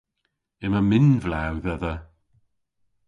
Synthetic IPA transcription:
ɪməmɪnvlawðəðə

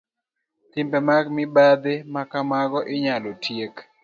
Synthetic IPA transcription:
t̪ɪmbɛmaɡmɪbad̪emakamaɡɔʔɪɲalotʰjek

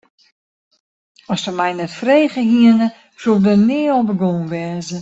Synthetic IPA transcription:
ɔsdəmɛjnɛtfreːɣəhiənə | sudənɪːɔbəɡoːnʋɛːzə

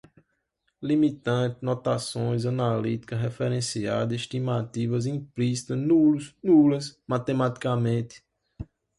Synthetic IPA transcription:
limit̪ɐ̃t̪ɪnɔt̪asõj̃zɐ̃nalit̪i̥kɐɦɛfɛɾẽsia̰d̪ɐiʃt̪imat̪ivɐzĩplisi̥t̪ɐnuluznulɐsmat̪emat̪i̥kamẽt̪ɪ̥

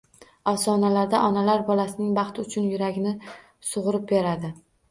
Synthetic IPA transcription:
ɒfsɒnalaɾd̪aʔɒnalaɾbɒlasɪnɪŋbɑχt̪ʰɪʊt͡ʃʰʊnjʊɾaɡʲɪnɪ | sʊʁʊɾɪp̚be̞ɾad̪ɪ

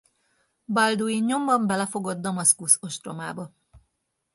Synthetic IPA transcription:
bɒld̪uinɲo̞mbɒmbɛlɛfo̞ɡod̪ːɒmɒskusoʃt̪roma̰ːbɒ

